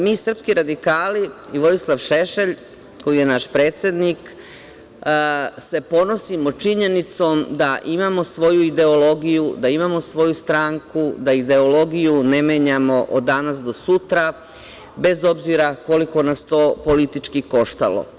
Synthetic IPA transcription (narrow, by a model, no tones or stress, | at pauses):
miːsr̩pskiɾad̪ikaːliiʋo̞jislˠaʋʃe̞ʃeʎ | ko̞jije̞naʃpɾe̞ːt̪sjed̪nik | se̞po̞no̞simo̞t͡ʃiɲe̞nit̪so̞ːmd̪aʔimamo̞sʋo̞juid̪e̞olo̞ɡijud̪aimamo̞sʋo̞just̪ɾaːŋkud̪aid̪e̞olo̞ɡijune̞meːɲamo̞ʔod̪ːanasd̪o̞sut̪ɾa | be̞zo̞bziɾako̞liko̞nast̪o̞ːpo̞lit̪it͡ʃkiko̞ʃt̪a̰lo̰